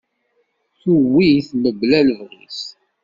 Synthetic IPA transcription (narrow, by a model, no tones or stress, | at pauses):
θuwiθməblæləvɾis